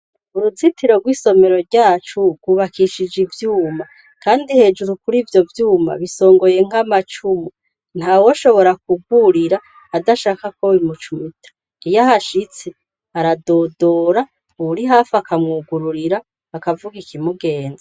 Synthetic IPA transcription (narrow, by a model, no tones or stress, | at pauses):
uɾuzitʰiɾo̞ɡwiːso̞me̞ɾo̞ɾɟaːt͡ʃuɡ̥uβakʰiʃid͡ʒivjuːma | kaːndihe̞ːd͡ʒuɾukuɾivjo̞vjuːma̰βiso̞ːŋɡo̞je̞ŋ̥amat͡ʃumu | n̥hawo̞ʃo̞βo̞ɾak̚uɡuɾiɾaː | daʃaːkakowimut͡ʃumitʰḁ | ijahaʃit͡se | aɾado̞ːdo̞ːɾa | uβuɾiɦaːfakamŋuːɡuɾuɾiɾaː | kavuɡikʰimuɡe̞ːnda